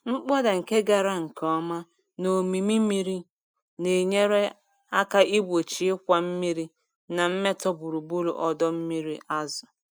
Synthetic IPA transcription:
ŋ͡m̩˦k͡pɔ˦da˨ŋ̩˨ke˦ɡa˨ɾa˦ŋ̩˨kʰɔ˦ma˦ | no˨mi˨mi˦mi˦ɾi˦ | ne˨ɲe˦ɾe˦ | a˦ka˦ʔi˦bo˨t͡ʃi˨e˦kʷa˨m̩˦mi˦ɾi˦ | na˨m̩˦me˦tɔ˦bu˨ɾu˨bu˦lṵ˨ʔɔ˦dɔ˦m̩˦mi˦ɾi˦ʔa˦zɔ˨

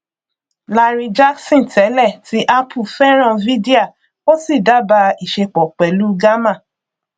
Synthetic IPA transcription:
la˧ɾi˧d͡ʒa˦ksĩ˦˨tɛ˨˦lɛ˦˨ti˦ʔa˦pʰu˦˨fɛ˦ɾ̃ã˦˨vi˦de˦a˦˨ | o˦si˦˨da˨˦ba˧i˨ʃe˧k͡pɔ˨k͡pɛ˨lu˦ɡa˦mã˦˨

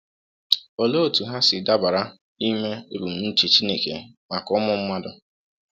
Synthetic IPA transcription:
o˨lo˦˨tu˨ɦa˦sɪ˨da˦ba˨ɾa˦ | i˦me˦e˦bu˨m̩˨n̩˦t͡ʃi˨t͡ʃi˦ne˨kḛ˨ma˨kɔ˦mʊ˦m̩˦ma˦dʊ˦

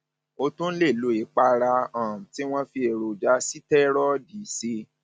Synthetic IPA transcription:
o˧tũ˦n̩˦le˦˨lo˨˦i˨k͡pa˧ɾa˧ã˨ti˦w̃ɔ̃˦fi˧e˨ɾo˨d͡ʒa˧˦si˦tɛ˦ɾɔ˦di˨˦se˧

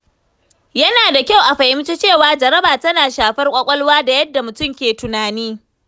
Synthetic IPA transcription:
jɐ˦naː˨da˨kʲa˦˨wʔa˨ɸa˨jɪ˦m˦t͡ʃe˦t͡ʃeː˦˨waː˨d͡ʒɐ˨ɾɐ˦baː˨tɐ˦naː˨ʃaː˨ɸɐ˦rkʷʼɐ˦kʷʼɐ˦lwaː˦da˨jɐ˦dːa˨mʊ˨tʊ˦mkʲeː˨tʊ˨naː˨niː˦

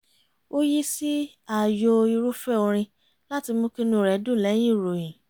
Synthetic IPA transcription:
o˦ji˦si˦ | a˦˨jo˧i˧ɾu˦fɛ˦o˧ɾ̃ĩ˧ | la˦ti˧mõ˦ki˦nũ˦˨ɾɛ˨˦dũ˦˨lɛ̃˨˦ĩ˦˨ɾo˨jĩ˨

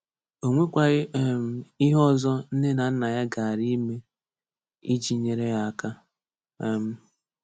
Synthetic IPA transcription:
o˨ŋʷe˦kʷa˨ɣɪ˦m˦i˦ɦɔ˦˨zɔ˦n̩˦ne˦na˨n̩˦na˨ja˦ɡa˨a˨ɾi˦me˦ | i˦d͡ʒi˨ɲe˨ɾe˦ja˦a˨ka˦ | m̩˦

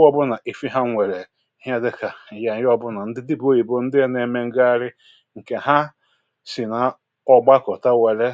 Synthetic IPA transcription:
ɔ˦bʊ˦na˨ʔi˨fi˦ɦa˦ŋʷe˨ɾe˨ | ɦja˦dɪ˦ka˨ja˨˦jɔ˦bʊ˦na˨n̩˦dɪ˦di˦bo˦i˨bo˦n̩˦dɪ˦e˦ne˨me˦ŋ̩˦ɡa˦ɾɪ˦ | ŋ̩˨ke˨ɦa˦ | si˨na˨ | ɔ˦ɡ͡ba˦kɔ˨ta˦we˨le˦

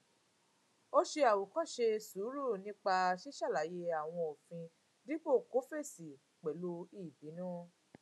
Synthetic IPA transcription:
o˦ʃe˧a˨wo˨kɔ̃˦˨ʃe˧su˨˦ɾu˦˨nĩ˦k͡pa˧ʃe˦ʃa˦˨la˨˦je˧a˨w̃ɔ̃˧o˨fĩ˧ | di˦k͡po˦˨ko˨˦fe˦˨si˨ | k͡pɛ˨lo˧˦i˦˨bi˨˦nɔ̃ː˦

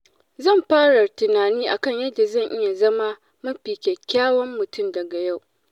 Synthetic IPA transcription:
zɐ˦˨mɸaː˦ɽa˨tɪ˨naː˨niː˦ʔa˨kɐ˦˨ɲjɐ˦dːa˨zɐ˦˨ŋʔɪ˦ja˨zɐ˦ma˦ | mɐ˦ɸiː˨kʲɛ˨kʲːaː˦wɐ˦mːʊ˨tʊ˦˨mdɐ˨ɡa˨ja˦˨w

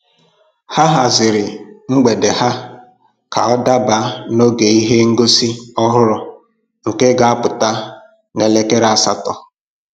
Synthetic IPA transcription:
ha˦ɦa˨zɪ˨ɾɪ˨ŋ͡m̩˦ɡ͡be˨de˨ɦa˦ | ka˨ɔ˦da˦ba˨˦no˦ɡe˨i˦ɦe˦ŋ̩˦ɡo˦si˦ɔ˦ɦʊ˦ɾɔ˨ | ŋ̩˨ke˦ɡa˨a˦pʊ˨ta˦ | ne˨le˦ke˦ɾa˨sa˦tɔ˨

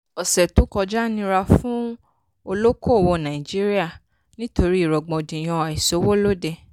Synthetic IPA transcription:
ɔ˨sɛ˨tũ˨˦kɔ˧d͡ʒa˦nĩ˧ɾa˧fũ˦ | o˧lo˦ko˦˨wo˧nã˨i˨d͡ʒi˦ɾi˦a˦˨ | nĩ˦to˧ɾi˦i˨ɾɔ˨ɡ͡bɔ̃˨dĩ˨j̃ɔ̃˧a˨i˨so˨˦wo˦lo˦de˧

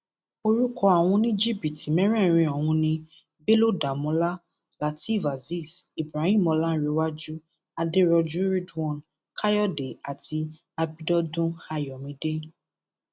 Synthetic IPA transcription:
o˦˧ɾu˦kʰɔ˧a˨w̃ɔ̃˧nĩ˦d͡ʒi˦˨bi˨ti˨mɛ̃˦ɾɛ̃˦˨ɾ̃ĩ˧ɔ˨w̃ũ˧nĩ˧ | be˦lo˦da˨mɔ̃˧˦la˦ | la˨˦ti˦˨va˨zi˦˨si˨bɾa˨˦hĩ˦˨mɔ˧la˦n̩˦ɾe˧wa˦d͡ʒu˦ | a˧de˦ɾɔ˧d͡ʒu˦ɾi˦dɔ̃˦˨n | kʰa˦jɔ˦˨de˨a˨ti˧ | a˧bi˦dɔ˦dũ˦ha˧jɔ˨mĩ˨˧de˦

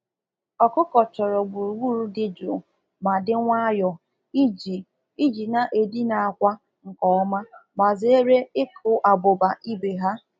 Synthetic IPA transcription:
ɔ˨kʊ˦kɔ˨t͡ʃɔ˨ɾɔ˨ɡ͡bu˨ɾɡʷu˦ɾu˦dɪ˦d͡ʒʊ̰˨ | ma˨dɪ˦ŋʷa˦jɔ˨ | i˦d͡ʒi˨ | i˦d͡ʒi˨na˨ʔe˨di˦na˨a˦˨kʷa˦ | ŋ̩˨kɔ˨ɔ˦ma˦ma˨zɪ˦e˦ɾe˦ɪ˦kʰʊ˨ʔa˨ɡ͡bʊ˨ba˨ʔi˦be˨ɦa˦

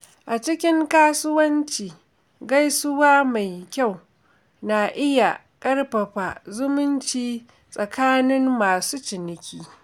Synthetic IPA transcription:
ʔa˨t͡ʃɪ˦kʲɪ˦ŋkaː˦sʊ˦wɐ˦nt͡ʃiː˨ | ɡa˦jsʊ˦waː˦ma˨jkʲa˦˨w | na˨ʔɪ˦ja˨ | kʼɐ˦rɸɐ˨ɸa˨zʊ˦mʊ˦nt͡ʃiː˦ | sʼɐ˨kaː˦nɪ˦mːaː˨suː˦t͡ʃɪ˨nɪ˨kʲiː˦

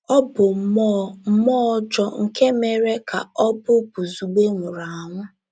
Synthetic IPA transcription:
ɔ˦bʊ˨m̩˨ɔ˦m̩˦mɔ˦d͡ʒɔ˦ŋ̩˨ke˦me˨ɾe˦kʰa̰˨ɔ˦bʊ˦bu˨zu˨ɡ͡be˦ŋʷʊ˨ɾa˨a˨ŋʷʊ˦

